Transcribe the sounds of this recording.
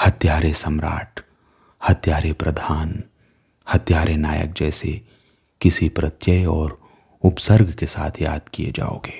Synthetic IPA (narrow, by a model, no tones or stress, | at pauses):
hɐt̪jaːɾesɐmɾa̰ːʈ | hɐt̪jaːɾepɾɐd̪ʱaːn | hɐt̪jaːɾenaːjə̰k̚d͡ʒɛːse | kɪsipɾɐt̪jəjɔːɾ | ʊpsəɾɡʱkesa̰ːt̪ʰja̰ːd̪̚kijḛd͡ʒa̰ːo̰ːɡeː